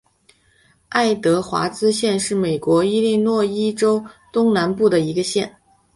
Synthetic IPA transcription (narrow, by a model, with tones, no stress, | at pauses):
a˥˩ɪt̪ɤ˧˥xwa̰˧˥t͡sɹ̩˥ɕjɛ˥˧nʂɻ̩˥˩me˨˩ɪkwɔ˧˥i˥li˥˧nwɔ˥˧i˥ʈ͡ʂo˥ʊt̪ʊ˥ŋna˧˥npu˥˩d̪ə˩i˧˥ɡə˧ɕjɛ˥˩n